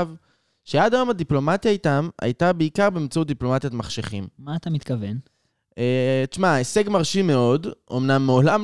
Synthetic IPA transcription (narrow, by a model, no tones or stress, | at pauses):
v | ʃead̪ajomad̪iplo̞mat̪jaitama̰jt̪abeikaʁbeimt͡sout̪̚d̪iplo̞mat̪jot̪maχʃeχimmaːt̪amit̪kɐven | et͡ʃmaese̞ɡmaʁʃime̞o̞dʔo̞̰mnamːeolam